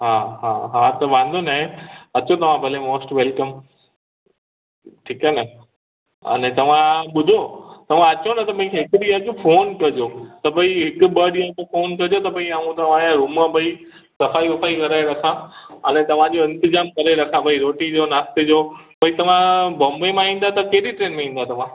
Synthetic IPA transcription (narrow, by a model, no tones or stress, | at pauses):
ɦaːɦaːɦat̪ɐʋãːn̆d̪ʱonaɦẽɐt͡ɕot̪ɐʋ̤ãbʱɐlemoːsʈʋeːlkəm | ʈʰiːkaːnɐ | ɐ̰nɛt̪ɐʋ̤ãɓʊd̪ʱot̪ɐʋ̤ãɐt͡ɕonɐt̪ɐpɐ̃ĩkʰɦɪkʊɗijad͡ʑofoːnkɐd͡ʑot̪ɐpɐ̃ĩɦɪkʊ̆ɓəɗiad͡ʑofoːnkɐd͡ʑot̪ɐpɐ̃ĩaːɦũt̪ɐʋ̤ããɾuməbɐi | sɐfaːiʋɐfaːikɐɾaːeɾɐkʰãɐ̰nɛt̪ɐʋ̤ãd͡ʑoɪ̃nt̪ɪzaːmkɐɾaeɾɐkʰãbɐiɾoːʈid͡ʑoːnaːst̪ed͡ʑoːpɐ̃ĩt̪ɐʋ̤ãbɐ̃mbemãĩːnd̪at̪ɐkeɦɾiʈɾeːnmẽĩːn̆d̪at̪ɐʋ̤ã